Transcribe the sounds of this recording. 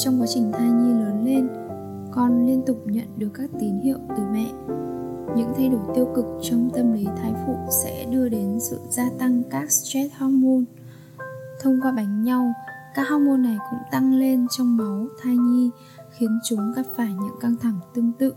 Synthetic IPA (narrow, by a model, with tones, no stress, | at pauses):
t͡ɕɔ˧wŋ͡mkwaː˨˦t͡ɕï˨˩ŋ̟t̪ʰaː˧jɲi˧ləː˨˦nle˧n | kɔ˨˩nli˧ənt̪ʊ˨˩k͡p̚ɲə̰˧˨nɗɨ˨˩əkːaː˦˥k̚t̪i˨˦nhḭ˧˨əwt̪ɨ˨˧˩mɛ̰˧˨ | ɲɨ̰˧˥ŋt̪ʰa˧jɗo˧˩jt̪i˧əwkɨ˨˩k̚t͡ɕɔ˧wŋ͡mt̪ə˧mli˨˦t̪ʰaː˨˧jfṵ˧˩sɛ̰˧˥ɗɨ˧əɗe˨˦nsɨ̰˧˨z̥aː˧t̪a˧ŋkaː˦˥k̚st͡ɕwɛ˦˥t̚hɔ˦˥mo˧n | t̪ʰə˧wŋ͡mkwaː˧ɓa˨˦jŋ̟ɲa˧wkaː˦˥k̚ha˧˥mo˧nːa˨˩jkʊ̰˧˥ŋ͡mt̪a˧ŋle˧nt͡ɕɔ˧wŋ͡mma˨˦wt̪ʰaː˧jɲi˧ | xi˨˦ənt͡ɕʊ˨˦ŋ͡mka˨˩p̚faː˧˩jɲɨ̰˧˥ŋka˧ŋt̪ʰa˧˩ŋt̪ɨ˧əŋt̪ɨ̰˧˨